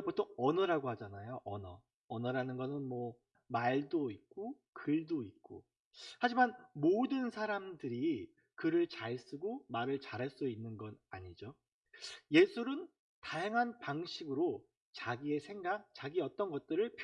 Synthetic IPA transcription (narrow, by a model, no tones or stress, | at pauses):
potʰoŋʌnʌɾaɡohad͡ʑanajoʔʌnʌ | ʌnʌɾanɯnɡʌnɯnmwʌ | maɭdoik͈o | kɯɭdoik̚k͈o̰ | had͡ʑimanmodɯnsʰaɾamdɯɾi | kɯɾɯɭt͡ɕaɭs͈ɯɡomaɾɯɭt͡ɕaɾɦaɭs͈uinːɯnɡʌnaɲid͡ʑo | je̞sʰuɾɯn | tajaŋɦanpaŋɕʰiɡɯɾo | t͡ɕaɡie̞sʰe̞ŋɡak̚t͡ɕaɡiʌt͈ʌnɡʌt̚t͈ɯɾɯɭpʰ